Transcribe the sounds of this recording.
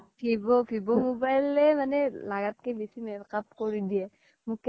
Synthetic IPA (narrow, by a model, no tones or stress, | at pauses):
pʰibopʰibomobajlemanelaɡat̪̚kebisimeɾkapkoɾid̪iɛ | muk